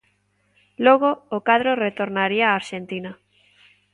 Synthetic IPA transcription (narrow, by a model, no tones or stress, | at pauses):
loɣoːkaðɾoret̪oɾnaɾiaːɾʃent̪ina